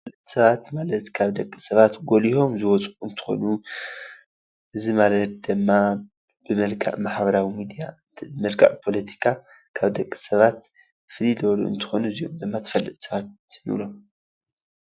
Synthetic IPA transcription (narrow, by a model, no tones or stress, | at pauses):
ffɐlɨt̪ʼsɐβat̪malɐt̪kʰaβd̪ɐkʼːi̥sɐβat̪ɡoliho̞mzɨwɔt͡sʼuɨnt̪ʰɨ̥xo̞̰nu | ʔɨzimalɐt̪̚d̪ɨmːa | b̥ɨmɐlkʰa̰ʔmaħbɐɾawimid̪ija | mɐlkʰa̰ʕpʰo̞lɐt̪ʰi̥kʰa | kʰaβd̪ɐkʼːi̥sɐβat̪ | fɨlilɔlṵɨ̰nt̪ʰɨ̥xo̞nuɨzijomd̪ɨmːat̪ʰɐ̥fɐlːɨt̪ʼsɐβat̪nḭlo̞m